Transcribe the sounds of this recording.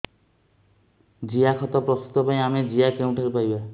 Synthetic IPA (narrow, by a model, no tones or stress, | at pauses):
d͡ʒiakʰɔt̪ɔpɾɔst̪u̥t̪ɔpaĩamed͡ʒijakeũʈʰaɾipaɾiba